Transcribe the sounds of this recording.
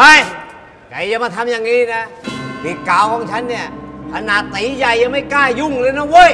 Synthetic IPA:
a˧˩j | ka˨˩jt͡ɕa˧maː˧˩t̪ʰa˧mjaː˨˩ŋːiː˦˧˥na˦˥hiː˨˧˩kaː˨˩wkʰɔː˨˦ŋt͡ɕʰa˦˥nːi˧˩ɐkʰa˧na˨˩t̪iː˨˦ja˨˩jːa˧ma˥˩jkaː˥˩ju˧˥˩ŋlɤː˧na˧˥˩woː˧˥˨j

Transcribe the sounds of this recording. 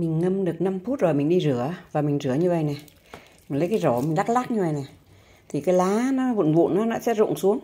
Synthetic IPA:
mï˨˩ŋ̟ŋə˧mɗɨ˨˩ək̚na˧mfu˦˥t̚zo˨˩jmï˨˩ŋ̟ɗi˧zɨ˧˩˦əvaː˨˩mi˨˩ŋ̟zɨ˨˧˩əɲɨ˧və̰˧˨jna˨˩ | mi˨˩ŋlə˨˦jkaː˨˦jzo˧˩mi˨˩ŋ̟ɗa˦˥k̚laː˦˥k̚ɲɨ˧və̰˧˨jna˨˩ | t̪ʰi˨˩kaː˨˦jlaː˨˦nɔ˨˦vṵ˧˨nvṵ˧˨nʔɔː˨˦nɔ̰˧˥sɛ̰˧˥zʊ̰˧˨ŋsu˨˦əŋ

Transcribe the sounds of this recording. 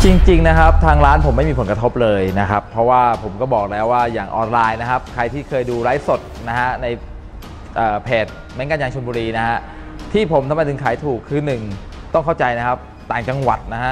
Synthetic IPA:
t͡ɕi˧ŋt͡ɕi˧ŋna˦˥kʰa˦˥p̚t̪ʰaː˧ŋɾaː˦˥npʰo˨˩˦mːa˥˩jmi˧pʰo˩˦kɾa˧t̪ʰo˦˥p̚lɤː˧jna˦˥kʰa˦˥pʰːɾɔ˦˥waː˥˩pʰo˩˦mkɔː˥˩bɔː˨˩k̚lɛː˦˥wːaː˥˩jaː˨˩ŋʔɔː˧nlaː˧jna˦˥kʰa˦˥p̚kʰɾa˧jt̪ʰiː˥˩kʰɤː˧jduː˧ɾaː˦˥jso˨˩t̪̚na˦˥ha˦˥na˧j | ʔəː˨˩pʰeː˨˩t̪̚ | mɛ˦˥nkaː˧njaː˧ŋt͡ɕʰo˧nmbuː˧ɾiː˧na˦˥ha˦˥ʔ | t̪ʰiː˥˩pʰo˩˦mt̪ʰa˧mɾa˧jt̪ɯ˧ŋkʰaː˩˦jt̪ʰuː˨˩kʰːɯː˧nɯ˨˩ŋ | t̪ɔ˥˩ŋkʰa˥˩wt͡ɕa˧jna˦˥kʰa˦˥p̚ | t̪aː˨˩ŋt͡ɕa˧ŋwa˨˩t̪̚na˦˥ɦa˦˥ʔ

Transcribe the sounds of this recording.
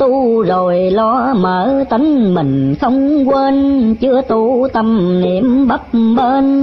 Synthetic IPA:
t̪u˧zo˨˩jlɔ˧˥məː˨˦t̪ə˨˦ŋ̟mï˨˩ŋ̟xə˧wŋ͡mkweː˧nt͡ɕɨ˧ət̪u˧t̪ə˧mne˨˩˦əmɓə˦˥p̚ɓəː˧n

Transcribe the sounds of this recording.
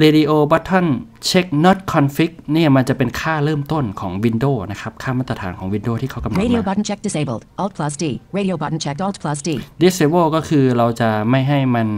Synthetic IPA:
ɾeː˧di˧ʔoː˧ba˦˥t̪ʰːɔ˥˩n | t͡ɕʰe˦˥k̚nɔ˦˥t̪̚kʰɔ˧nfi˦˥k̚ni˥˩ɐma˧nt͡ɕa˨˩pe˧nkʰaː˥˩ɾɤː˥˩mt̪o˥˩nkʰɔː˩˦ŋwi˧ndoː˥˩na˦˥kʰa˦˥p̚kʰaː˥˩maː˥˩t̪ːa˧t̪ʰaː˩˦nkʰɔː˩˦ŋwi˧ndoː˥˩t̪ʰiː˥˩kʰa˦˥wka˧mnaeɾioʊbɐ˦tn̩t͡ʃʰɛk̚d̥ɪseɪbə̰lˠd̥ʔɔlˠd̚pʰl̥ʌsd̥iɹeɾioʊbʌ˦tn̩t͡ʃʰɛk̚tɔlˠdpʰl̥ʌsd̥idi˦˥se˧boː˥˩kɔː˥˩kʰɯː˧ɾa˧wt͡ɕa˨˩ma˥˩jɦa˥˩jma˧n

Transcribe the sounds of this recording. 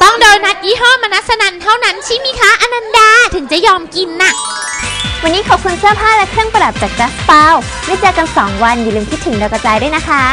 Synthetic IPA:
t̪ɔ˥˩ŋdoː˧jna˦˥t̪̚jiː˦˥ɦɔː˥˩ma˧na˦˥sa˧na˧nt̪ʰa˥˩wna˦˥nt͡ɕʰiː˥˩miː˧˥kʰaː˦˥ʔa˧na˧mdaː˧˩t̪ʰɯ˩˦ŋt͡ɕa˨˩jɔː˧mki˧nːa˨˩ | wa˧nːiː˦˥kʰɔ˨˩kʰu˧nsɯ˥˩əpʰaː˥˩lɛ˦˥kʰɾɯ˥˩əŋpa˧da˨˩p̚t͡ɕa˨˩k̚t͡ɕa˦˥pa˧w | maː˥˩jt͡ɕaː˧ka˧nsɔː˩˦ŋwa˧njuː˨˩lɯː˧mkʰi˦˥t̪ʰːɯ˩˦ŋda˧wka˧t͡ɕaː˧jdu˥˩˨jna˦˥kʰa˦˥

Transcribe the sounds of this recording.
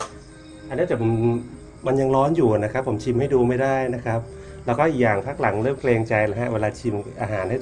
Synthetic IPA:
ʔa˧nː˦˥˩t̪ɛ˨˩˧ | ma˧nja˧ŋɾɔː˦˥njuː˨˩na˦˥kʰa˦˥pʰːo˩˦mt͡ɕʰi˧mha˥˩jduː˧ma˥˩jdaː˥˩jna˦˥kʰɾa˦˥p̚ | lɛː˦˥wkɔː˥˩ʔiː˨˩k̚jaː˨˩ŋpʰa˦˥k̚la˩˦ŋɾɤː˥˩mkʰleː˧ŋt͡ɕa˧jla˦˥ɦa˦˥weː˧laː˧t͡ɕʰi˧mʔaː˧ɦaː˩˦nha˥˩

